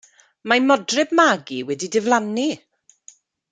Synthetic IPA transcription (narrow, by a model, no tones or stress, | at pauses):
mamɔdrɪb̚maɡiwɛdidɪvlˠanːi